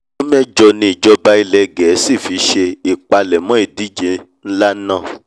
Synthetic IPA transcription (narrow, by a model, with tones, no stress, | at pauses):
õ˦mɛ˦d͡ʒɔ˧nĩ˧˦i˨d͡ʒɔ˧ba˧i˧lɛ˧ɡɛ˨˦si˦˨fi˨˦ʃe˧i˨k͡pa˧lɛ˨mɔ̃˨˦e˦˨di˨˦d͡ʒẽ˧ | n̩˦la˦nãː˦˨